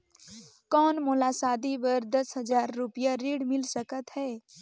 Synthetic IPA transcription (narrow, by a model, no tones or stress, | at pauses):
kɔːnmolasaːd̪ibəɾd̪əsɦəd͡ʒaːɾːupjaɾiːɽmɪlsəkət̪ɦɛː